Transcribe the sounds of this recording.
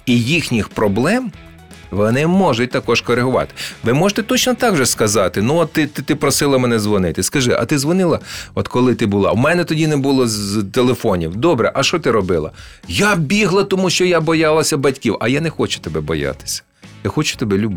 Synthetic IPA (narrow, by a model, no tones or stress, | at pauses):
ijixnʲixpɾɔblˠɛm | ʋɔnɪmɔʒʊtʲt̪ɐkɔʒkɔɾeɦʊʋɑ̰t̪ɪ̥ʋɪmɔʒe̥t̪ɛt̪ɔt͡ʃnɔt̪ɑɡʒɔskɐzɑt̪ɪnuɔtt̪ːɪt̪t̪ɪpɾɔsɪlˠɐmɛnɛzʋɔnɪt̪ɪskɐʒɪʔɐ̰t̪ɪzʋɔnɪlˠɐɔt̪kɔlˠɪt̪ɪbʊlˠɑ̰wmɛnɛt̪ɔdʲinɛbʊlˠɔzt̪elˠefɔnʲiwd̪ɔbɾɛʔɐʃɔt̪ɪɾɔbɪlˠɐ̰ | jabʲiɦlˠɐt̪ɔmuʃt͡ʃɔjabɔjɑlˠɐsʲɐbɐtʲkʲiwɐjanɛxɔt͡ʃʊ̥t̪ebɛbɔjɑ̰t̪ɪ̥sʲɐ̥ | j̪ɪxɔt͡ʃʊ̥t̪ebɛlʲʊb